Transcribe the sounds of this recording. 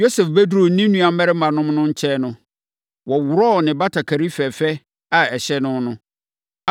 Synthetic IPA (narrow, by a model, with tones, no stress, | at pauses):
jo˦sɛ˨fbæ˦du˦ɾo˨n̩˦nĩ˦nũ˦a˨˦mɛ˦ɾɪ˦ã˨nʊ̃˦m˦nʊ̃˦ɲ̩˦t͡ɕʰɛ˦nʊ̃˦ | wɔ˨wʊ˨ɾɔ˦˨nɪ̃˨ba˦tʰa˨kʰa˨ɾi˦fɛ˨fɛ˦ | a˨ɛ˨ɕɛ˦nʊ̃˦nʊ̃˦